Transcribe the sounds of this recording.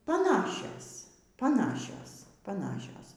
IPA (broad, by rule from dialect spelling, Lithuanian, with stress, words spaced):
pɐˈnɑːʃʲoːs pɐˈnɑːʃʲoːs pɐˈnɑːʃʲoːs